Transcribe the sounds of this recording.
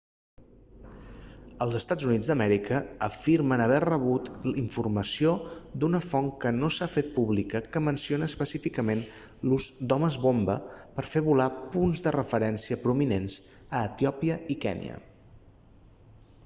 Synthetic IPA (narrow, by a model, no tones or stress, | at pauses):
əlˠzəst̪ad͡zunid͡zd̪əmɛɾikəːfiɾmənəβ̞ɛrəβ̞ut̪liɱfurməsiod̪unəfɔŋkənosafet̪̚puβlikəkəmənsionəːspəsifikəmen | luzd̪ɔməzβombə̰pəɾfeβulapunzðərəfəɾɛnsiəpɾuminenz̥əːt̪iɔpiəikɛ̰nḭə̰